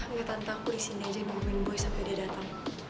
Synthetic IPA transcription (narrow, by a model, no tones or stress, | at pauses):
ŋat̪ant̪akuɾisinad͡ʒɛmuhminbɔjsampɛdadat̪aŋ